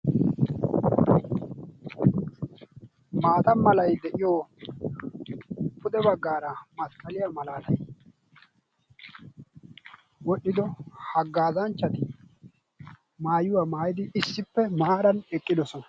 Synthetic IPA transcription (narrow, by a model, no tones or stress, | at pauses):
maːt̪ɐmɐlɐjd̪ɛʔɪjo | pʰʊd̪ɛbɐɡːaːɾɐmɐtkʼːɐlɪjamɐlaːlɐj | wɔɗːɪd̪ɔhɐɡːaːzɐnt͡ʃːɐt̪ɪ | maːjʊwamaːjɪd̪ɪɪsːɪpːɛmɐaːɾɐnɛkʼːɪd̪ɔsɔnɐ̥